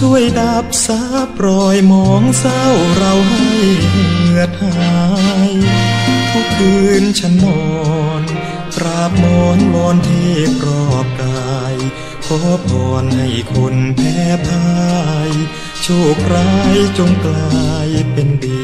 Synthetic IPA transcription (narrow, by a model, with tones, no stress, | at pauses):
su˧˥˨əjda˧p̚saː˧˥p̚ɾɔː˧jmɔː˧˥ŋsa˧˥˩wɾa˧wɦa˧˩jjha˧˩mɯ˧ət̪̚haː˧j | pʰuː˧˩k̚ʔɯː˧nt͡ɕʰa˧˥nːɔː˧n | kɾa˧˩p̚mɔː˧˥ŋbɔː˧nt̪ʰeː˧˩k̚ɾɔː˧˩p̚kaː˧j | kʰɔː˧˦pʰɔː˧nha˧˩jkʰo˧˥npʰɛː˧˩pʰaː˧j | t͡ɕʰoː˧˩k̚ɾaː˧˥jt͡ɕo˧ŋklaaː˧jpe˧nbi˧˩